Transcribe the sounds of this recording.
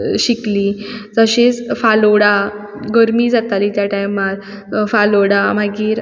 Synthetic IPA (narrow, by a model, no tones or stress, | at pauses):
ɕiklid͡zəɕet͡sfaloɽa | ɡəɾmiːd͡zat̪aliːt̪jaʈajmat̪ | faloɽamaɡiːɾ